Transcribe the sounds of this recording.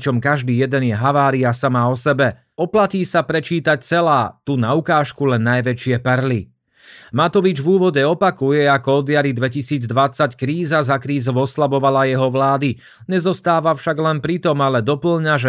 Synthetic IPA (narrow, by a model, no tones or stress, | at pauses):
t͡ʃɔmkaʒd̪iːjɛd̪ɛnjɛɦaʋaːɾiasamaɔsɛbɛ | ɔplaciːsapɾɛt͡ʃiːt̪ac̚t͡sɛlaːt̪unaukaːʃkulɛnːajʋɛt͡ʃɪɛpɛɾli | mat̪ɔʋid͡ʒvuːʋɔɟɛɔpakujɛakɔɔd̪ɪjaɾid̪ʋɛcisiːd͡zd̪ʋat͡sackɾiːzazakɾiːzɔʊɔslabɔʋalajɛɦɔʋlaːd̪i | ɲɛzɔst̪aːʋafʃaɡlɛnpɾit̪ɔmalɛd̪ɔpl̩ɲaʒɛ